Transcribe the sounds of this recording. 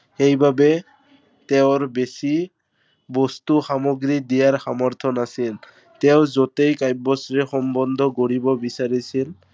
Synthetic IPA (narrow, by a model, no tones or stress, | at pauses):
xejbabɛ | t̪eʊɹbesi | bɔst̪uxamoɡɹid̪ijaɹxamɔɹt̪ʰɔnasil | teʊzɔtejkajbːɔsɹɛxɔmbɔnd̪ʱɔkoɹibɔbisaɹisil